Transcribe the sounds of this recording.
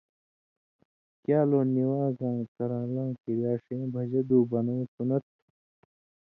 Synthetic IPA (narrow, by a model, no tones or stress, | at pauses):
kjaːloːniwãːzãːŋt͡sɐɾãːlãŋkiɾjaːʂẽːbʱɐʑɐd̪uːbɐnɐwik̪unɐt̪̚